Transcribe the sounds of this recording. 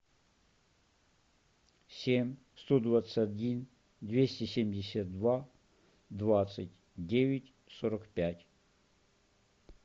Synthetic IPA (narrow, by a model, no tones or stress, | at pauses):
sʲemʲ | st̪od̪vat̪sʲadʲin | d̪ʲvʲesʲtʲesʲemʲdʲɪsʲat̪̚d̪va | d̪vat̪sɨtʲ | dʲeʋʲɪtʲ | sɔɾɐkpʲatʲ